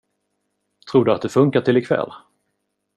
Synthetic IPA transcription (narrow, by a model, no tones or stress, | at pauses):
t̪ʰɾuːɖɵat̪̚d̪ɛfɵŋkaʈʰɪlɪkʰvɛ̰lː